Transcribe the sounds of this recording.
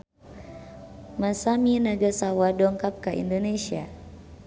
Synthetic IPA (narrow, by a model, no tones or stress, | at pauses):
masaminaɡasawadɔŋkap̚kaʔḭndonesia̰